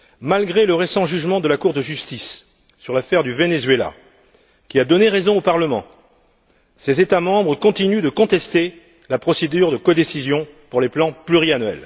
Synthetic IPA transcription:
malɡʁeləʁesɑ̃ʒyʒmɑ̃d̪əlakuʁd̪əʒyst̪isː | yʁlafɛʁd̪yvenezɥela̰ | kʲiad̪ɔneʁezɔ̃opaʁləmɑ̰̃ | sezet̪amɑ̃bʁəkɔ̃t̪inyd̪əkɔ̃t̪ɛst̪e | lapχɔsed̪yʁd̪əkɔd̪esizjɔ̃puʁleplɑ̃plyʁianɥɛ̰l

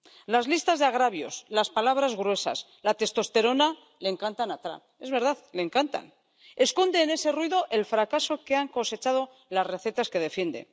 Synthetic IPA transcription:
lazlist̪azðeaɣ̞ɾaβjo̞slaspalaβ̞ɾazɣɾwe̞sa̰s | lat̪e̞st̪o̞st̪e̞ɾo̞na | leŋkant̪anat̪ɾa̰ | e̞zβe̞ɾðaðle̞ːŋkant̪a̰n | e̞sko̞nd̪eːne̞se̞rwiðo̞ʔe̞lfɾakaso̞keaŋko̞se̞t͡ʃaðo̞ | lazre̞θe̞t̪aske̞ð̞e̞fje̞nd̪e̞̰n

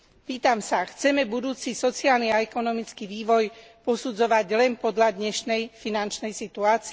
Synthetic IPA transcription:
piːt̪amsaxt͡sɛmɛbud̪uːt͡sisɔt͡sɪaːlniaɛkɔnɔmit͡skiʋiːʋɔj | pɔsud͡zɔʋaɟlɛnpɔd̪ʎad̪ɲɛʃnɛjfinant͡ʃnɛjsit̪uaːt͡sː

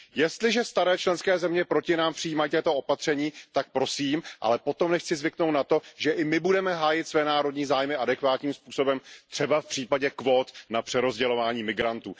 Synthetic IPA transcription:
jɛst̪lɪʒɛst̪aɾɛːt͡ʃlɛnskɛːzɛmɲɛpɾo̞cɪnaːmpr̥ɪijiːmajiːt̪ɛːt̪oʔo̞pat̪r̝̥ɛɲiːt̪ak̚pɾo̞siːmʔa̰lɛpo̞t̪o̞mnɛxt͡sɪzvɪknowt̪nat̪o̞ʒɛʔɪmɪbudɛmɛɦaːjɪt̪svɛːnaːɾo̞dɲiːzaːjmɪadɛkvaːt̪ɲiːmspuːso̞bɛmt̪r̥ɛbafpr̥iːpaɟɛkvo̞ːt̪napr̥ɛɾo̞zɟɛlo̞vaːɲiːmɪɡɾant̪ṵː

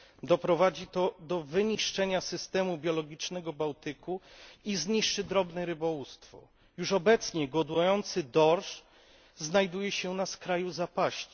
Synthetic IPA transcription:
d̪ɔpɾɔvad͡ʑit̪ɔd̪ɔvɘɲiʂt͡ʂɛɲasɘst̪ɛmubʲjɔlɔɡʲit͡ʂnɛɡɔbawt̪ɘkʰuizɲiʂt͡ʂɘd̪ɾɔbnɛɾɘbɔwust̪fɔ̰ | juʂɔbɛt̪sɲɛɡɔd̪ujɔnt̪sɘd̪ɔɾʂ | znajd̪ujɛɕɛnaskɾajuzapaɕt͡ɕi̥

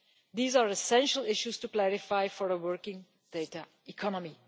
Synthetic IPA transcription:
d̪iːzaɹɛsɛ̃nʃəlˠɪʃustuklæɹɪfaɪfɔɹəwəɹkɪ̃ŋ | d̥eɪta | ikʰɔnəmi

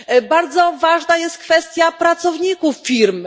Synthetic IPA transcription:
baɾd̪zɔvaʐnajɛst̪̚kfɛst̪ʲjapɾat̪sɔvɲikufːʲiɾm

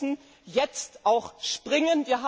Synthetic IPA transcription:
n̩ | jɛt͡stʔaʊxʃpʁ̥ɪŋənviːɐɦaː

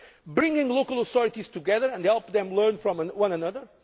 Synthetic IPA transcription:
bɹɪ̃ŋɡɪ̃ŋlˠokəlˠəθɔɹɨtiz̥tuɡɛðə˞ɨ̃ndhɛlˠpðɛ̃mlˠɜ̃˞nfɹɔ̃mwʌ̃nənʌðə˞

